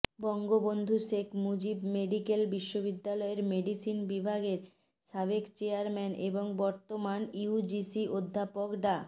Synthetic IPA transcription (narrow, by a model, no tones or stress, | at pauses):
bɔŋɡobond̪ʱuʃekʰmud͡ʑibmeɖikelbiʃːobid̪ːalɔeɾmeɖisinbibʱaɡeɾ | ʃaβekt͡ɕeaɾmɛnʔeboŋbɔɾt̪omaniud͡ʑisiʔod̪ʱːapokɖa